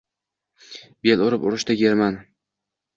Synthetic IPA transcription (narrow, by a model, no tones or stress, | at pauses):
belʊɾɪpʊɾɪʃd̪aɡʲeɾman